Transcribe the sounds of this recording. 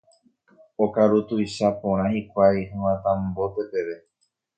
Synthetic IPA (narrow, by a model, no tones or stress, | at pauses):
okaɾut̪ujʃapõɾ̃ãhikʷajhɨ̃wãt̪ãmbo̞t̪e̞pe̞ʋe̞